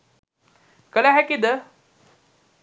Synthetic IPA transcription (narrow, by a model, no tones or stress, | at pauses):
kəlaɦɛkid̪ə